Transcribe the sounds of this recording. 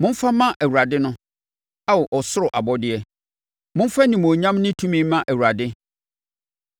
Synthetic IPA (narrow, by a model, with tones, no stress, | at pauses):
mʊ̃˦m˦fa˦mã˦ʔæ˨wu˨ɾa˨dɪ˦nʊ̃˦ | a˦wʔɔ˨sʊ˦ɾʊ˨ʔa˨bɔ˦dɪ˦ɛ˦ | mʊ̃˦m̩˦fa˦nĩ˨mo˨ɲã˦mnɪ̃˦tʰũ˦mĩ˦mã˦ʔæ˨wu˨ɾa˨dɪ˦